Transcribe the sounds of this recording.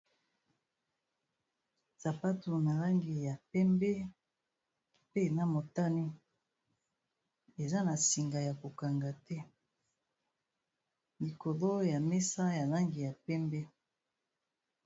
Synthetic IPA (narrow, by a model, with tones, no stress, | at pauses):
za˨pa˦tu˨na˨la˦ŋɡi˨ja˨pɛ˦mbɛ˦ | pe˦˨na˦mo˨ta˦ni˦ | e˨za˦na˨si˨ŋɡa˨ja˨ko˨ka˨ŋɡa˨tɛ˦ | li˨ko˨lo˦ja˨mɛ˦sa˦ja˨la˦ŋɡi˨ja˨pɛ˦mbɛ˦